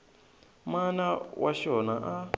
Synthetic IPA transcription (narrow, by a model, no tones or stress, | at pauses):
manawʔaʃɔnaʔa